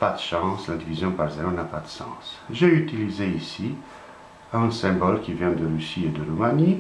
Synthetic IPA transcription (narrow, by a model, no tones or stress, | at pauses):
pad̪əʃɑ̃slad̪ivizjɔ̃paʁzeɾonapad̪əsɑ̰̃sʒeyt̪ilizeisi | ɛ̃sɛ̃bɔlkʲivjɛ̃d̪əʁysied̪əʁumani